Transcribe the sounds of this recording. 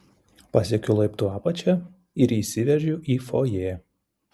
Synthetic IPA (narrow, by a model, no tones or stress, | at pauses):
pɐsʲɛkʲʊlˠɐɪpt̪uɑːpɐt͡ʃʲɛ | ɪɾiːˑsʲɪʋʲɛʒʲʊʔiːfoːjeː